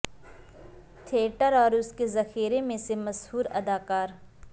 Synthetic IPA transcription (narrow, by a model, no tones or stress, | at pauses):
t̪ʰeːʈəɾɔːɾʊskezɐxiːɾemẽsemɐshuːɾɐd̪aːkaːɾ